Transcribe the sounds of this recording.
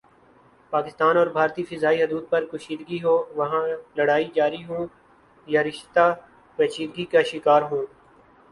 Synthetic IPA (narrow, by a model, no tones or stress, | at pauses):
paːkɪst̪aːnɔːɾbʱaːɾt̪ifɪzaːiɦʊd̪uːd̪̚pɐɾkʊʃiːd̪ɡiɦoːʋɐɦãlɐɽaːid͡ʒaːɾiɦõː | jaɾɪʃt̪a | pɐːt͡ʃiːd̪ɡikaʃɪkaːɾɦõː